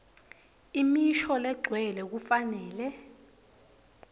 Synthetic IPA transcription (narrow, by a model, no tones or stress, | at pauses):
imiʃɔlɛɡ͡ǀʱwɛlɛk̬ufanɛːlɛ